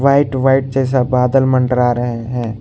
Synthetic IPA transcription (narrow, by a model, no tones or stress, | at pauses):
ʋaːɪʈʋaːɪʈ̚d͡ʒɛːs̬abaːd̪əlmə̃ɳʈəɾaːɾəɦeɦɛ̃ː